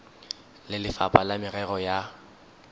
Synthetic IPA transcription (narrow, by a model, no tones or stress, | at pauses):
lɪlɪfapʼalamɪrɛrɔja